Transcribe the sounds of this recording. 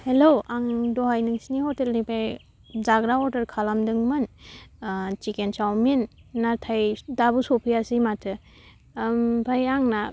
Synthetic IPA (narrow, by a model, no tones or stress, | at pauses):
heloaŋdɔɦajnɯŋsinihɔtelnipʰaj | zaɡɾaɔdɐɾkʰalamdɯŋmɯn | t͡ʃikent͡ʃawminːatʰajdabusɔpʰijasimatʰɯ | bʰajaŋna